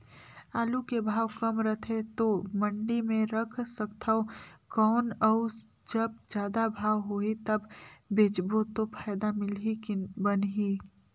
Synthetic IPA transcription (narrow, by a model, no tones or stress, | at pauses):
aːlukebʱaːwkɐmɾət̪ʰet̪omə̃ɳɖimẽɾəkʰsəkt̪ʰaokɔːnəʊ | d͡ʒɐb̚d͡ʒjaːd̪abʱaːwɦoːit̪ɐbːeːd͡ʒbot̪opʰaːjd̪amɪlɦibənɦiː